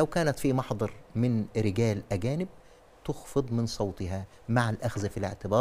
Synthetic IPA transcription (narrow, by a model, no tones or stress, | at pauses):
læwkæːnæt̪fimɑħd̪ˤɑɾˤmɪnɾɪɡæːlʔæɡæːnɪb̚ | t̪ʊxfɨd̪ˤmɪnsˤɑwt̪ˤɪhæ | maʕalʔæxzfilɪ̰ʕt̪ɪbɑːɾˤ